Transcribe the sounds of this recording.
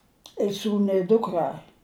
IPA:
ɪ ˈsuːnʊ ɪ ˈdʊkrɐ

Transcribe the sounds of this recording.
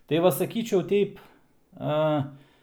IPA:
tɐɪ ˈʋɐ sɐˈkʲiːt͡ʃʲɛʊ ˈtʲɛɪp ˈɐ

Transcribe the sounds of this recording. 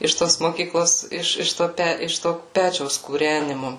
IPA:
ɪʃ ˈtoːs moːˈkʲiːklˠoːs ˈɪʃ ɪʃ ˈtoː ˈpʲæ ɪʃ toː ˈpʲæːt͡ʃʲɛʊs kuːrʲænʲɪmʊ

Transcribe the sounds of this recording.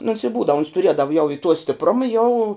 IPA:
nʊ oːns ɪ ˈbuːdɐw oːns tʊˈrʲiɛdɐw jɛʊ ɪ tuɔ sʲtʲɪpˈrʊmɐ jɛʊ

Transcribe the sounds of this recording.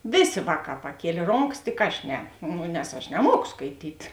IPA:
ˈʋʲeːˌsʲeː ˈʋɑːˌkɑː pɐˈkʲiɛlʲeː ˈroːŋkɐs tʲɪk ˈɐʃ ˈnʲɛ ˈnʊ nʲɛs ˈɐʃ nʲɛˈmuɔkoː skɐɪˈtʲiːt

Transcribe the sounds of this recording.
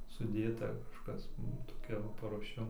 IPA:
sʊˈdʲeːtɐ kɐʃˈkɐs ˈnʊ toːˈkʲɛ ʋɐ pɐruɔˈʃʲɛm

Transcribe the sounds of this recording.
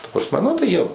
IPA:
tɐ prɐsʲˈmʲɛ nʊ tɐɪ ˈjiɛ

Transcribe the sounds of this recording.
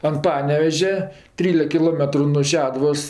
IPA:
ɐn ˈpɑːnʲɛʋʲɛʒʲɛ ˈtʲrʲiːlʲɛk kʲɪˈlˠoːmʲɛtrʊ nuɔ ˈʃʲæːdʊʋoːs

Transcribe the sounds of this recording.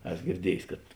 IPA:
ˈɛs ɡʲɪrʲˈdʲiɛjsʲ kɐt

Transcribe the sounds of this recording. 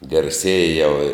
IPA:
ɡɐrʲˈsʲiɛjɛ jɛʊ ɪ

